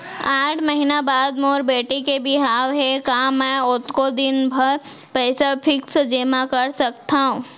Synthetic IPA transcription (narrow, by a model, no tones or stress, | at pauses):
aːʈʰməɦinabaːd̪moːɾbeːʈikebʱiɦaːʋɦɛkaːmɛ̃ʊt̪kod̪ɪnbʱɐɾ | pɛːsapʰɪksd͡ʒemakəɾsɐkt̪aɦũː